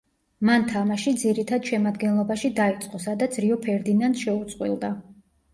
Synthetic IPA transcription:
mant̪ʰamaʃid̪ziɾit̪ʰad̪ʃɛmad̪ɡɛnlˠɔbaʃid̪ait̪sʼqʼɔsad̪at̪sʰɾiɔpʰɛɾd̪inant̪ʃɛut̪sʼqʼwḭlˠd̪a

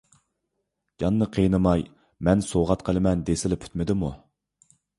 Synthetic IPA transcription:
d͡ʒɑnːɨqʰəjnɨmɑj | mɛnsoʁɑt̪qʰəlˠɨmɛnd̪esɪlɪpʰy̥t̪mɪd̪ɪmu

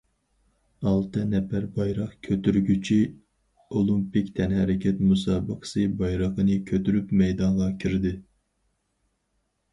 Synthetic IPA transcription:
ɑlˠt̪ʰɨnɛpæɾbɑjɾɑqkʲʰøt̪yɾɡʲyt͡ʃʰi | olˠumpikʲt̪ʰɛnhɛɾɪkʲʰɛt̪musɑːbɨqʰə̥sɨbɑjɾəqənɨkʲʰøt̪yɾypmɛjd̪ɑŋʁɑkʲʰiɾd̪ɪ

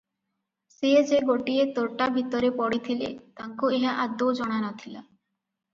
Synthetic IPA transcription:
sed͡ʒeɡoʈiet̪oɾʈabʱit̪ɔɾepɔɽit̪ʰilḛt̪aŋkueɦaʔad̪od͡ʒɔɽ̃anɔt̪ʰila

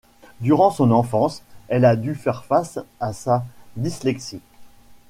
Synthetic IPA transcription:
d̪yʁɑ̃sɔ̃nɑ̃fɑ̃sɛlad̪yfɛʁfasasad̪islɛksi

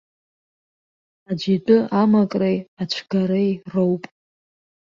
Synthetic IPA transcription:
ad͡ʒitʼɨʔamakʼrejat͡ʃʷʰɡaɾejrowpʼ

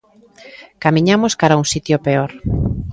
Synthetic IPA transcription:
kamĩɲamoskaɾauŋsit̪jopeoɾ

